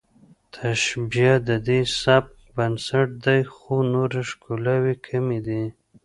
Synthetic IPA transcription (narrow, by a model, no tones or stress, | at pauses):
t̪ʰaʃbijad̪əd̪esab̚ | bansaʈ̚d̪ajxonoɾaʃkolawikʰamed̪i